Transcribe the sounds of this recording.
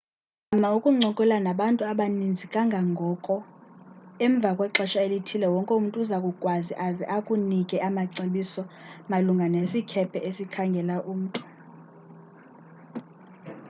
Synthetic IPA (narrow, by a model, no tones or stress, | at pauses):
amaukʼuŋ͡ǀʱɔkʼɛlanaɓantʼuaɓanind͡zʱikʼaŋɡʱaŋɡʱɔkʼɔ | ɛɱb̪vʱakʼwɛǁɛʃaelitʰilɛwɔŋkʼɛum̩tʼuzakʼukʼwazḭʔazḭʔakʼunikʼɛʔamaǀeɓisɔmaluŋɡʱanesikʰɛpʰɛʔesikʰaŋɡʱɛlaʔuːm̩ːtʼu̥